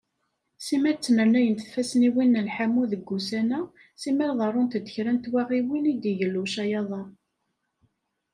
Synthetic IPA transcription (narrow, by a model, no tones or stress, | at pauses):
simæt͡sːnəɾnæjənθθfæsniwinːəlħamuðəɡːusænæ | siməɾðˤɑɾˤːʊnt̪əd̪əçɾænt̪wæʁiwinid̪iʝəlːuʃɑjɑðˤɑɾ